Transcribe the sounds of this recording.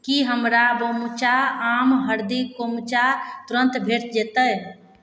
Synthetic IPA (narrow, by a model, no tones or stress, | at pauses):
kiɦəmɾabəmut͡ʃaamɦəɾd̪ikomt͡ʃaɾt̪uɾə̃nt̪bʱeʈ̚d͡ʒet̪əj